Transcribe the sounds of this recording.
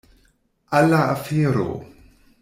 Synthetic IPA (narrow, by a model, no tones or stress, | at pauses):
alaafiɾo̰